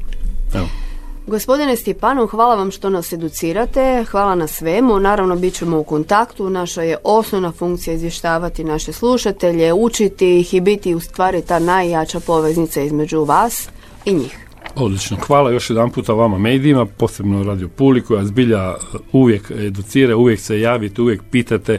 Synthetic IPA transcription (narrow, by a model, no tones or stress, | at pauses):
eɡo̞spo̞d̪inest̪ipaːnoxʋaːlˠaʋamʃt̪o̞nase̞d̪ut̪siːɾat̪e̞xʋaːlˠanasʋe̞munaːɾaʋno̞bit̪̚t͡ɕe̞mo̞uko̞nt̪akt̪unaʃaje̞ʔo̞snoʋnafuŋk̚t̪sijaizʋje̞ʃt̪aːʋat̪inaʃe̞slˠuʃat̪e̞ʎe̞ut͡ʃit̪iixibit̪iust̪ʋaːɾit̪aːnajːat͡ʃapo̞ʋe̞znit̪saizme̞d͡ʑuʋaːs | iɲiːx | od̪lit͡ʃnoxʋaːlajo̞ʃjed̪anpuːt̪aʋamamejd̪iimapo̞ːsebnoɾaːd̪iopublikujazbiʎauʋjeked̪ut̪siːɾauʋjeksejaːʋit̪euʋjek̚piːt̪at̪e